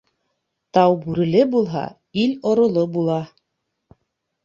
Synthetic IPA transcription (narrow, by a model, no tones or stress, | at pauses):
t̪ɑwbʉɾɘ̆lɘbulˠɦɑ̰ | ilʲŏɾŏlˠobulˠɑ